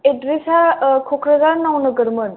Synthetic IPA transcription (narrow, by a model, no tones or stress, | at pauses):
edɾisakʰɔkʰɾəɡaɾnawnɯɡəɾmən